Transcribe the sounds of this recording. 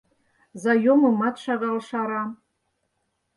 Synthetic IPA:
zajomɨmatʰʂaʁalʂaɾa

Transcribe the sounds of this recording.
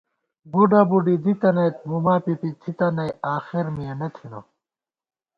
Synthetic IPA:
buɖɐbuɖid̪it̪ɐnɐjt̪̚mumaːpipit̪ʰit̪ɐnɐjaːxiɾmijenɐt̪ʰino̰

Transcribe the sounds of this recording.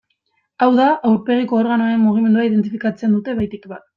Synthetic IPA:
awðaʔawɾpe̞ɣ̞iko̞ːɾɣanoaɾe̞mmuɣ̞ime̞nd̪uaiðe̞nt̪̬ifikat͡se̞nd̪ut̪e̞βajt̪ikβat̪̚

